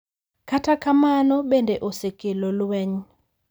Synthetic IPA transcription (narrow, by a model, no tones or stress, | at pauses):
katʰakʰamanɔɓɛndɛʔɔsekʼelɔlwɛɲ